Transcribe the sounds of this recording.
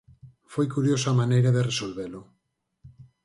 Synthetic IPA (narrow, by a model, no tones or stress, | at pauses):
fojkuɾjosamanejɾaðeresolβelo